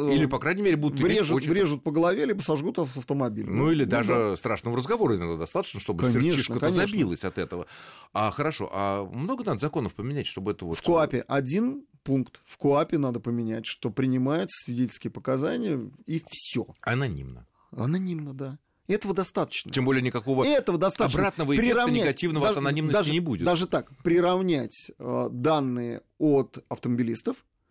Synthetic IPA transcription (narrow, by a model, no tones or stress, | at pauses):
ilʲɪpɐkɾajnʲɪmʲeɾʲɪbud̪ʊt̪vɾʲeʐʊvɾʲeʐʊt̪̚pəɡəlˠɐvʲelʲibəsɐʐɡut̪ɐsɐft̪əmɐbʲḭlʲnuilʲɪd̪aʐɨst̪ɾaʂnəməɾəzɡɐvo̞ɾəɪnad̪ad̪ɐst̪at̪ət͡ɕnəʂt̪obəanʲɪrʲeʂiʂknəkəkɐnʲzɐbʲilˠəsʲɐt̪ɛt̪əvə̰axəɾɐʂo̞̰ʔamno̞ɡənad̪əzɐko̞nəfpəmʲɪnʲætʲʂt̪o̞bəɛt̪əvotfkʊapʲɪʔɐdʲinpunkt̪fkʊapʲɪnad̪əpəmʲɪnʲætʲʂt̪o̞pɾʲɪnʲɪmajʊt̪sə̥svʲɪdʲetʲlʲskʲɪjəpəkɐzanʲɪjəifsʲo̰ɐnɐnʲḭmnə̰ | ɐnɐnʲimnəd̪a | ɛt̪əvəd̪ɐst̪at̪ə̥t͡ɕnəembolʲɪjənʲɪkɐko̞vəɛt̪əvəd̪ɐst̪abɾat̪nəvəɪpɾʲɪɾɐvnʲɪæɪɡɐtʲivnəvəaʐɐnɐnʲimnəsaʐʲnʲɪbudʲɪ̰td̪aʐɨt̪akpɾʲɪɾɐvnʲætʲəd̪anːɨjə̰ | ot̪ɐft̪əməbʲɪlʲist̪əf